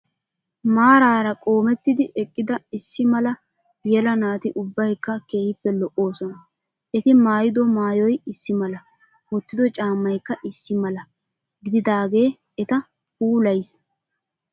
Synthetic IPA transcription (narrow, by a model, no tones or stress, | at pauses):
maːɾaːɾɐkʼo̞ːmɛt̪ːɪd̪ɪʔɛkʼːɪd̪ɐɪsːɪmɐlɐ | b̥ɪjɛlɐnaːt̪ɪʔʊbːɐjkːɐke̞ːhɪpːɛlɔʔːo̞ːsɔnɐ | ʔɛt̪ɪmaːjɪd̪ɔmaːjɔjɪsːɪmɐlɐ | wɔt̪ːɪd̪ɔt͡ʃʼaːmːɐjkːɐʔɪsːɪmɐlɐ | ɡɪd̪ɪd̪aːɡe̞ː | ɛt̪ɐ | huːlɐjs